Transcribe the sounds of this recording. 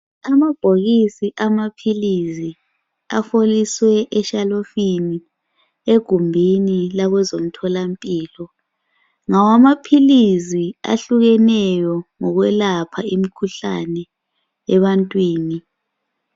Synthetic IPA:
amab̥ʱoɣisiʔamapʰilizi | a̰foliswɛʔɛʃalofini | eɡ̥ʱumbʱinilaɣɛzom̩tʰɔlampʼiːlɔ | ŋawamapʰilizia̰ɬuɣɛnɛjɔŋɔɣwɛlapʰaimikʰuɬa̰nɛ | ɛβantʼwiːni

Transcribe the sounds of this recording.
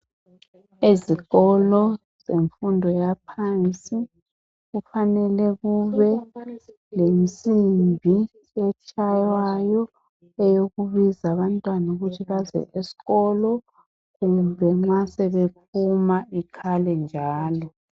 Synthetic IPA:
eziɣɔlɔ | z̥eɱfundʱɔjapʰant͡sʼi | ɣufanɛlɛɣuβɛ | lem̩sʼimbʱi | ɛt͡ʃʰʼajwajɔ | ɛjoɣuβizaβantʼwanuɣutʰiβazɛ̰ʔesi̥ɣɔlɔ | ɣumbʱɛŋ͡ǁasɛβep̚ʰumaikʰalɛnd͡ʒʱaːlɔ

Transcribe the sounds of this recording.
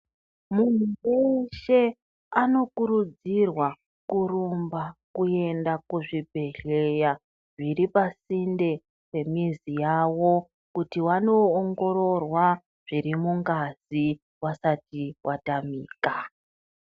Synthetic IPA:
mun̤uweʃe̞ | ano̞kuɾud͡zirwa | kurumbakue̞ndakuʐibʱe̞ɮe̞ja | ʐiɾipasinde̞ | pe̞mizijawo̞ | kutiwano̞ːŋɡo̞ɾo̞rwa | ʐ̥iɾimuŋɡaz̥i | wasatiwʔatamiːka

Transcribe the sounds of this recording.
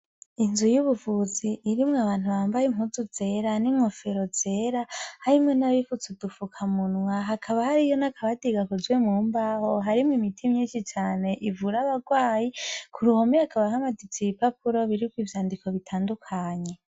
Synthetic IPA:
inzujuβuvuziʔːɾimŋaβaːn̥uβaːmbajiŋhuzuze̞ɾaniŋofe̞ɾo̞z̥e̞ɾahaɾimŋonaβifut͡sudufukʰamunwaɦakʰaβahaɾijo̞nakʰaβadiɡakuzwemuːmbahoɦaɾimŋimitʰimɲiːnʃit͡ʃaːne̞ʔivuɾaβaɡwaːjikʰuɾuho̞mihakaβahamadit͡siβipapuɾo̞βiɾikwiːvjaːndikʰo̞βitʰaːndukʰaɲe̞

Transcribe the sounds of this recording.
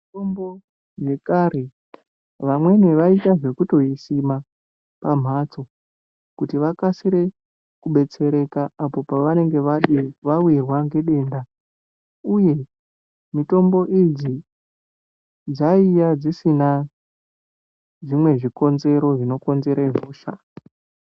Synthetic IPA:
itombo | ʐe̞kaɾe | ʋamwe̞neʋaitaʐe̞kuto̞isima | pam̤ʱat͡so̞ | kutiʋakasiɾe̞ | kuɓe̞t͡se̞ɾe̞kaːpo̞paʋane̞ŋɡe̞ʋaɗiʋawirwaŋɡe̞ɗe̞ːnda | uje̞ | mito̞mbo̞ʔid͡zi | d͡zaijad͡zisina | ʐimwe̞ʐiko̞nze̞ɾo̞ʐino̞ko̞nze̞ɾaɦoːʃa̰

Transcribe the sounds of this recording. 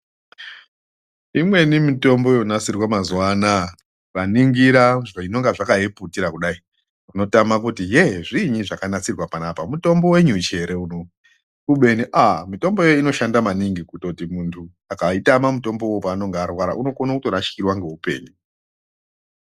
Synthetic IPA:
imwe̞nimito̞mbo̞jo̞nasirwamazuwaːna | ʋaniŋɡiɾaino̞ŋɡaʐakaɦeputiɾakuɗai | runo̞tamak̬utijeʐiɲiʐakanat͡sirwapanapamuto̞mbo̞we̞ɲut͡ʃe̞ɾe̞uno | uɓe̞niʔamito̞mbo̞je̞joino̞ʃandamaniŋɡikuto̞timuntʰu | akaitamamuto̞mbo̞wopaːno̞ŋɡarwaɾa̰ʔuno̞konakutoɾat͡ʃkirwaŋɡe̞upe̞̰ːni

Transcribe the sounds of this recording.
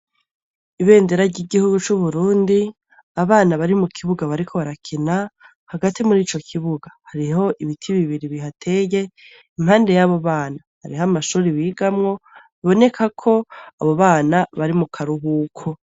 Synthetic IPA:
iβe̞ːndeɾaɟiːɡihuɡut͡ʃuβuɾuːndi | aβaːnaβaɾimukʰiβuɡaβaɾikʰo̞βaɾakʰena | haɡatimuɾiːt͡ʃo̞kʰiβuɡahaɾiɦo̞ʔiβitʰiβiβiɾiβiɦatʰe̞ːje̞ | iŋɦaːnde̞jaβo̞βaːnahaɾiɦamaʃuːɾiβiːɡamŋo̞βiβo̞ne̞kʰakʰo̞aβo̞βaːnaβaɾimukʰaɾuɦuːkʰo

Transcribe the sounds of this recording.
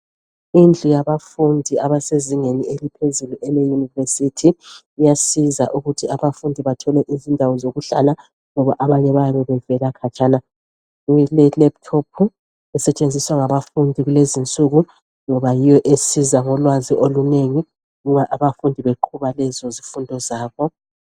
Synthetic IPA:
ind͡ɮʱujaβafundʱiaβaseziŋenielipʰezuluʔɛlejunivesitʰiː | jasiza̰ʔuɣutʰiaβafundʱiβatʰɔlɛʔizindʱawɔzoɣuɬala | ŋɔβaʔaβaɲɛβajaβɛβɛvɛlakʰat͡ʃʼana | ujlɛlɛp̚tʰopʰu | ɛsɛt͡ʃʼend͡zʱiswaŋaβafundʱiɣulezint͡sʼuɣu | ŋɔβajijɔʔesizaŋɔlwaziʔoluneŋi | umaʔaβafundʱiβeǃʰuβalɛzɔzifundʱɔzaːβɔ

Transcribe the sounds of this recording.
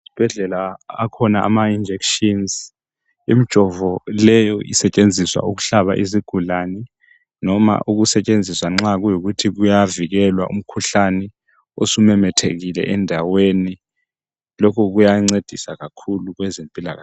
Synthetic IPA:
si̥b̥ʱɛɮɛlaːkʰɔnaʔa̰maind͡ʒʱekʃinz | imid̥ʒ̥ʱɔvɔlɛjɔisɛt͡ʃʼend͡zʱiswa̰uɣ̬uɬaβa̰ʔiziɡ̥ʱulanɛ | nɔma̰ʔuɣ̬usɛt͡ʃʼend͡zʱiswaŋ͡ǁaɣujoɣutʰiɣujaviɣɛlwa̰ʔṵm̩kʰuɬanɛ | o̰sumɛmɛtʰeɣilɛ̰ʔɛndʱaweni | lokʰɔɣujaŋ͡ǀed̥ʱisaɣakʰuluɣwɛzempʼila̰ɣa̰

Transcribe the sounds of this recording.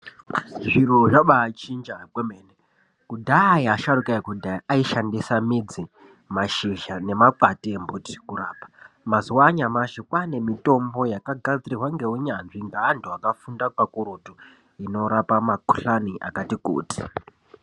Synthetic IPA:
ʐiroʐaɓat͡ʃind͡ʒaɡwemeːne | kudʱaiaʃaɾukaikudʱaiaiʃandisamid͡zi | maʃiʒane̞maǃatembuti̥kuɾa̰ːpḁmazuwaɲamaʃikwane̞mito̞mbo̞jakaɡʱad͡zirirwaŋɡe̞uɲanʐiŋɡaːndoakafundakwakuɾoto | ino̞ɾapamakuɬaniʔa̰katikṵːti̥

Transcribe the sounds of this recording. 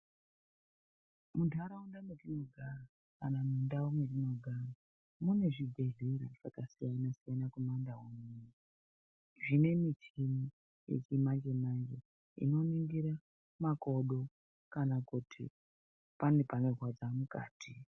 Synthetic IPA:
mudʱaɾawundamwerino̞ɡʱara | kanamundawomwerino̞ɡʱara | mune̞ʐiɡʱeɮirafakasijanasijanakumandaɦomini | ʐine̞mitimi | jḛt͡ʃimand͡ʒe̞mand͡ʒe̞ | ḭno̞niŋɡiɾa | mako̞ɗo̞ | kanakutʰḭ | panepane̞rwad͡zamuka̰ːtʰi

